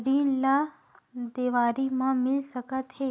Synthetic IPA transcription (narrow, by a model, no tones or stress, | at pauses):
ɾiːnla | d̪eːʋaːɾimãmɪlsəkət̪ɦeː